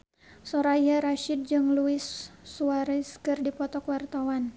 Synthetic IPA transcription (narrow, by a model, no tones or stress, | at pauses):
sɔɾaijaɾaʃid̚d͡ʒɨŋluɪsːuaɾɛskɨrdipɔt̪ɔkwart̪awan